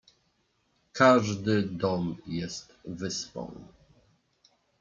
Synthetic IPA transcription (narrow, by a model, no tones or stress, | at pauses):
kʰaʐd̪ɘd̪ɔmjɛst̪vɘspɔ̰̃w̃